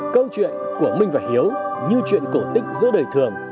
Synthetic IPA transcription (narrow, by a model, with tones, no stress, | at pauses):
kə˧wt͡ɕwḭ˧˨ənku˧˩əmï˧ŋ̟vaː˨˩jhi˨˦əwɲɨ˧t͡ɕwḭ˧˨ənko˧˩t̪ï˦˥k̟̚zɨ̰˧˥ɗəː˨˩jt̪ʰɨ˨˩əŋ